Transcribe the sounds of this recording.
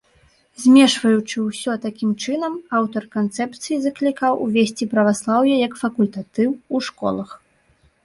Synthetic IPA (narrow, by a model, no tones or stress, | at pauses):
zʲmʲɛʂvɐjut͡ʂɨwsʲɔt̪akʲimt͡ʂɨn̪ɐmawt̪ɐrkant̪sɛpt̪sɨjizɐklʲikawʔuvʲesʲt͡sʲipɾɐvaslˠawjɐjɐkfɐkulʲt̪at̪ɨwuʂkɔ̰lˠɐx